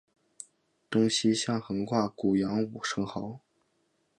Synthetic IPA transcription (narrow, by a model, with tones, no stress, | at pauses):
t̪ʊ˥ŋɕi˥ɕjɑ˥˩ŋxɤ˧˥ŋkʰwa˥˩ku˨˩jɑ˧˥ŋu˨˩ʂɤ˧˥ŋxɑ˧˥ʊ